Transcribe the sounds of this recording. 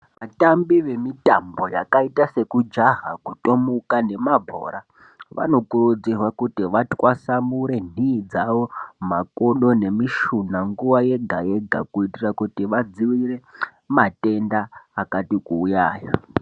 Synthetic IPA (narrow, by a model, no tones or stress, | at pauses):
ʋatambiʋe̞mitambo̞jakaitase̞kud͡ʒaɦa̰kuto̞mukane̞mabʱo̰ːɾa | ʋa̰no̞kurud͡zirwakutiʋatwʔasamuɾe̞niːd͡zaʋo̞makoɗo̞ne̞miʃunaŋɡuʋaje̞ɡʱaje̞ɡʱa̰kuitirakutiʋad͡ziwire̞ | mate̞ndaːkatikuːjaːja̰